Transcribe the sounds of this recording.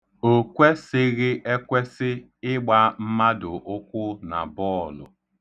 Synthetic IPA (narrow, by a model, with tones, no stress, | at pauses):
o˦kʷe˦sɪ˦ɣɪ˦ʔe˦kʷe˦sɪ˦ | ɪ˦ɡ͡ba˦m̩˦ma˦dʊ˨ʔʊ˦kʷʊ˦na̰˨bɔ˦˨lʊ̰˨